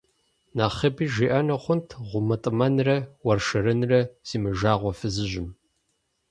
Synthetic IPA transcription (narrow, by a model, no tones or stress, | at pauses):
naːχɐbiːʒiːʔɐnɐχʷʊntʰʁʷʊmɐtʼɨmɐnrɐwɐrʃɐɾɨnrɐz̥iːmɨʒaːʁʷɔfɨzɨʑɪm